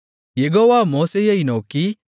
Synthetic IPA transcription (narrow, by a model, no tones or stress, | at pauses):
jeɡoːʋaːmoːsejɐinoːki